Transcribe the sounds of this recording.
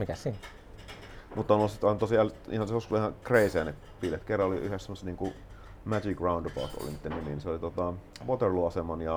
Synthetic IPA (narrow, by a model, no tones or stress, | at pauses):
mikæssiːn | mut̪ːɑnolsit̪ɑˑint̪osiælḭhɑnseoskuihɑkreˑiseːnep | piːlet̪kerːɑoliyhessemoset̪niːŋku | mæd͡ʒikrɑundɑpɑ̰ˑut̪o̰lḭnit̪ːeniminseolit̪ot̪ɑʋot̪erluɑsemɑnjɑ